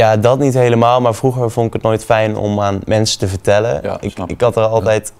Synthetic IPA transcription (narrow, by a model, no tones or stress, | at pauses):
jaːdɑtnitɦejləmaːlˠmaːɹvruɣəɹvɔntɪkətnoːjtfɛjnɔ̰maːnmɛnsə̥təvəɹtɛləɪkɪkɦɑtərɑlˠtɛjt